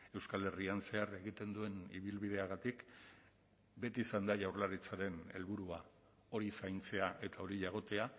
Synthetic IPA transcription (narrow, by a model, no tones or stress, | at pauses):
e̞wskale̞rianse̞are̞ɣ̞it̪e̞nd̪ue̞nḭβ̞ilβiðe̞aɣat̪ik | be̞t̪iːsand̪aʝawrlaɾit͡saɾe̞ne̞̰lβuɾua | o̞ɾisajnt͡se̞aʔe̞t̪ao̞ɾiʎaɣ̞o̞t̪e̞a